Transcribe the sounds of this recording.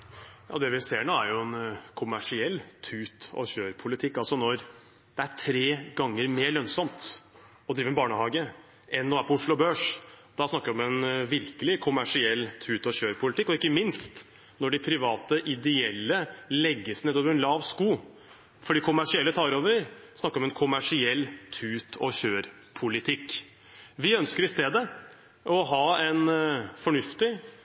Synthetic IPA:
jɑ̰ːd̪ɛʋɪseːɳoːæɾjʊɛnkʰʊmæʂɪɛlːt̪ʰʉːt̪ɔ̰çøːɾpʰʊlɪt̪ʰɪkːɑlsɔnɔɾ | d̪̥ɛæʈʰɾeːɡɑŋːəɾmeːɭœnsɔmt̪ | ɔd̪ɾiːʋəɾɛbɑːɳəhɑːɡə | ʔɛnːɔːæɾpɔʊʂlʊɔbøːʂd̪̥ɑsnɑkːəɾɔmɛnʋɪɾkəlɪkʰʊmæʂɪɛlːt̪ʰʉːt̪ɔçøːɾpʰʊlɪt̪ɪkːɔɪkːəmɪnst̪ | nɔɖɪpʰɾɪʋɑːt̪əʔɪd̪ɛɛlːəlɛɡːəsneːd̪oːʋəɾɛnlɑːʋskuː | fɔɖiːkʰʊmæʂɪɛlːət̪ʰɑːɾoːʋəɾəɾsnɑkːɾɔmɛnkʰʊmæʂɪɛlːt̪ʰʉːt̪ʰɔɕøːɾ | pʰʊlɪt̪ʰɪkː | ʋɪœnskəɾɪst̪eːd̪ə | ʔɔɦɑːɛnfɔɳʉft̪ɪ

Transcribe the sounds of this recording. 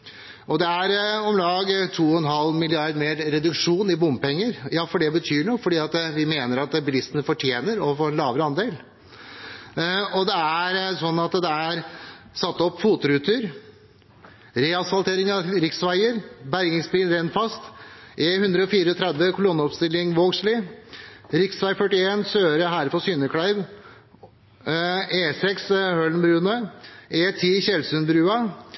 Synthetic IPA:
ʔɔd̪ɛæɾɔmlɑːɡt̪ʰuːɔhɛnɦɑlːmɪlɪɑɾd̪meːɾɾɛd̪ʉkʂuːnɪbʊmpɛŋːəɾjɑːfɔɖɛbət̪ʰyːɳɔfɔɖiːɑt̪ʋɪmeːnəɾɑt̪bɪlɪst̪ənəfɔʈʰjeːnəɾɔfoːɾɛnlɑːʋɾəɑnd̪eːl | ɔd̪ɛææɾsɔnːɑt̪d̪ɛæɾsɑt̪ːɔpːfuːt̪ʊɾʉːt̪ʰʉɾ | ɾeːɑsfɑlt̪ʰeːɾɪŋɑɾɪksʋæɪəɾbæɾɡɪŋsbɾiːnɾɛnfɑst̪ʔeːhʉnd̪ɾəɔfiːɾəɔt̪ʰɾɛd̪ʋəkʰʊlʊnəɔpst̪ɪlːɪŋʋoːɡslɪ | ɾɪksʋæɪfœʈːɪeːnsøːɾəɦæːɾpɔsyːnəkʰɽæɪʋ | eːsɛkshøɭn̩bɾʉːnœeːt̪ʰiːçɛlsʉnbɾʉːɑ

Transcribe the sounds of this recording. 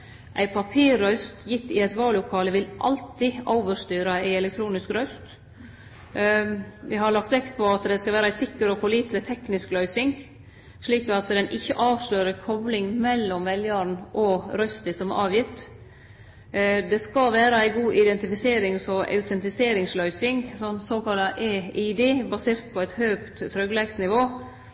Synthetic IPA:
ʔæ̰ɪpʰɑpʰiːɾːœʏst̪jɪt̪ːɪɛt̪ʋɑːlʊkʰɑːləʋɪlʔɑ̰lt̪ɪoʊʋəʂt̪yːɾɑæɪɛlɛk̚t̪ʰɾuːnɪskɾœʏst̪ | ʋɪhɑɾɭɑkt̪ʋɛkt̪̚pʰɔɑt̪d̪ɛskɑlʋæːɾɑæɪsɪkːəɾɔpɔliːt̪lət̪ʰɛknɪsklœʏsɪŋ | ʂɭiːkɑt̪d̪ɛnʔɪçːəʔɑːʋʂløːɾəkʰɔblɪŋmɛlːɔmʋɛljɑɾn̩ʔɔɾœst̪əsɔmɑːʋjɪt̪ː | d̪ɛskɑlʋæːɾəæɪɡuːʔɪd̪ɛnt̪ɪfɪseːɾɪŋsɔʔɑ̰ʉt̪ʰɛnt̪ɪseːɾɪŋslœʏsɪŋsɔnsoːkɑlːɑʔeːɪd̪eːbɑseːɾt̪̚pʰɔæɪt̪høːkt̪ʰːɾœɡlɛɡsnɪʋoː

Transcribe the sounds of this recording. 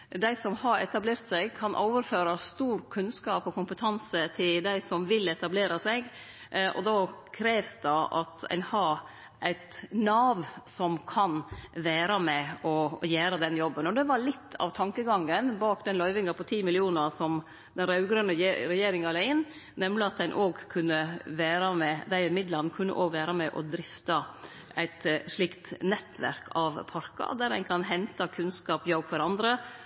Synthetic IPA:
d̪æɪsɔmhɑɾɛt̪ɑbleːɾt̪sæɪɡkʰɑnʔoːʋəɾføːɾɑst̪uːɾkʰʉnskɑːpɔkʰʊmpət̪ʰɑnsət̪ʰɪld̪æɪsɔmʋɪlɛt̪ɑbleːɾɑsɛɡ | ʔɔ̰d̪ɑːkʰɾeːʋsd̪ɑʔɑ̰t̪æ̰ɪnhɑɾ | ʔæɪt̪nɑːʋsɔmkʰɑnʋæːɾɑmɛɔjæːɾəd̪ɛnjɔbːənɔd̪ɛʋɑɭɪt̪ːɑ̰ʋt̪ʰɑŋkəɡɑŋːənbɑːkd̪ɛnlœʏʋɪŋɑpʰɔt̪ʰiːmɪlɪuːnəɾsɔm | d̪ɛnɾɑʉɡɾœnːəɾɛjeːɾɪŋɑlæɪɪnː | nɛmlɪɑt̪̚d̪æɪnʔoːɡkʰʉnːəʋæːɾɑmɛd̪æɪɪmɪd̪lɑnkʰʉnːə̰ʔoːɡʋæːɾɑmɛʔɔd̪ɾɪft̪ɑ | æɪt̪ʂɭɪkt̪nɛt̪ʰːʋæ̰ɾkʰɑʋpʰɑɾkɑ̰d̪æɾæɪnkʰɑnɦɛnt̪ɑkʰʉnskɑːpjɑʊkʰʋɑɾɑnd̪ɾə

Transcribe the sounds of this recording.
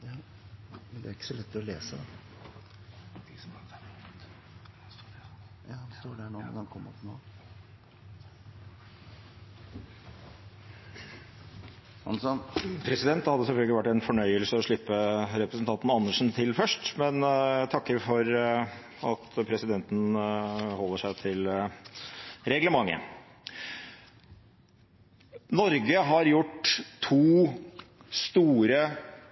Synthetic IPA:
mɛnd̪æɾɪkːə̥sɔlɛt̪ːɪlɔleːsəd̪ɑ | st̪oːɖæɳomɛ̰nɑnkʰɔmːə̰t̪no̰ː | ɑ̰nsɔnpʰɾɛsɪd̪ɛnt̪hɑd̪ːəsɛlfœlɡəlɪʋæʈːɛɪnfɔɳœʏəlsəɔʂɭɪpːəɾɛpɾəsn̩t̪ʰɑnt̪n̩ɑnːəʂn̩t̪ʰɪlːfœʂʈmɛnt̪ʰɑkːəɾfɔɾ | ɑt̪pʰɾɛsɪd̪ɛnt̪n̩hɔlːəʂæɪt̪ʰɪl | ɾɛɡləmɑŋːə̰ | nɔɾɡəɦɑɾjʊʈːt̪ʰuː | st̪uːɾə

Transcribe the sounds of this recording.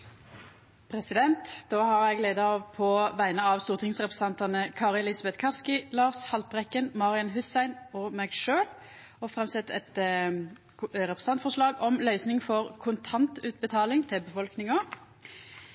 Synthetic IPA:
pʰʁɛsɪd̪ɛnt̪d̪̥oːhɑʁjæɪɡleːd̪ɑɑʋpʰɔʋæɪnəɑʋst̪uːʁt̪ʰɪŋsʁɛpəsɛnt̪ɑnəkʰɑːʁɪɛlɪsɑbɛt̪kʰɑskɪlɑːʁshɑlpʁɛkːənmɑʁɪɑnɦʉst̪æɪnɔːmɛɡʃøːl | ɔfɾʁɛmsɛt̪ːɛ̰t̪ | ʁɛpɾəsn̩ɑnt̪fɔʂlɑːɡɔmlœʏsnɪŋfɔʁkʰʊnt̪ʰɑnt̪ʉːt̪̚bət̪ʰɑːlɪŋt̪ʰɪlbəfɔlknɪŋɔ

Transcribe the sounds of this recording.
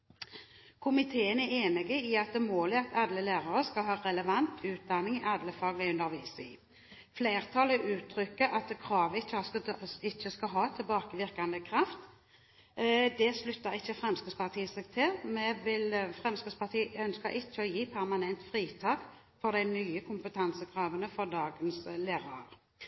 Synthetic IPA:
kʰʊmɪt̪ʰeːənæeːnɪɡəɪɑt̪̚d̪ɛmoːlɪɑt̪ɑd̪ləlæːʁəʁəskɑlɦɑːʁɛləʋɑnt̪ʰʉːt̪̚d̪ɑnːɪŋɪʔɑd̪ləfɑːɡlɪʉnd̪əʁʋiːsɪ̰ | fleːʁt̪ʰɑːləʔʉːt̪ʰɾʏkːəʔɑt̪̚d̪ɛkʰɾɑːʋəɪçːəɑɪçːəskɑɦɑːt̪ʰɪlbɑːkəʋɪʁkɑnd̪əkʰɾɑft̪ | d̪ɛslʉt̪ːəʁɪçːəfʁɛmskəspɑʁt̪ʰiːsɛːɡ̚t̪ʰɪlmɛʋɪlfʁɛmskəspɑʁt̪ʰiːœnskəʁʔɪt͡ʃːəɔjiːpʰæʁmɑnɛnt̪fʁiːt̪ʰɑːk | fɔʁd̪æɪnyːəkʰʊmpət̪ʰɑnsəkʰɾɑːʋənəfɔʁd̪ɑːɡənsleːʁɑəʁ

